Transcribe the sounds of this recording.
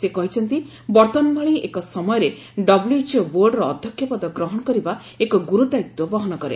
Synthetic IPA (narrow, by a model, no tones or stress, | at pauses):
sekɔɦit͡ʃʰɔnt̪i | bɔɾt̪ɔnbaɭiḛkɔsɔmɔjɔɾe | ɖɔbljuet͡ʃɔboɾɖɾɔːd̪ʱjɔkʰjɔpɔd̪ɔɡɾɔɦɔɽ̃ɔkɔɾibaekɔɡuɾud̪ajit̪ːwɔbɔɦɔñɔkɔɾḛ